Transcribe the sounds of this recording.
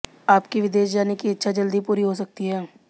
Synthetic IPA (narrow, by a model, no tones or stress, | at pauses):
aːpkiʋɪd̪eːʃd͡ʒaːnekiɐtːʃʰad͡ʒɐld̪ipuːɾiɦos̬ɐk̚t̪iɦɛː